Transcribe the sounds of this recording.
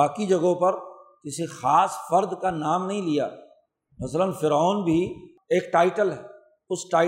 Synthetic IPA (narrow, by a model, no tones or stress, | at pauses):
aːkid͡ʒɐɡõpɐɾkɪsixaːsfɐɾd̪kanaːmnɐɦĩlija̰ː | mɐslənfɪɾaːnbʱi | eːkʈaːɪʈəlɦɛː | ʊsʈaː